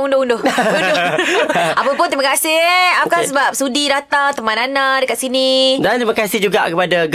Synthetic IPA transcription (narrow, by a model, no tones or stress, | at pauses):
undʊhundoh | apəpʊnt̪ɾimakasɪakasəbap̚sudidat̪aŋt̪əmãnanadəkaʔ̪̚sinidant̪ɾimakasɪhd͡ʒuɡakəpadaɡ